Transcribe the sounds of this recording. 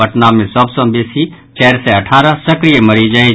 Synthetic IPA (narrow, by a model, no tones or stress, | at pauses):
əʈnaːmẽsəbsɔ̃bisi | t͡ʃɛːɾseɐʈʰaːɾəsəkɾijemɐɾid͡ʒɐi